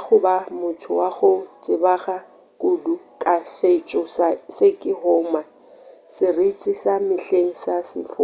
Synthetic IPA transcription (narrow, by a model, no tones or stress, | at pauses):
χʊbamʊtʰʊwaχʊt͡sʼɪbaχa | kʼudukʼaʃet͡ʃʼɔsasɪkʼɪɦɔːma | sɪret͡sʼisamɪɬeŋ̩sasɪ̰fʊ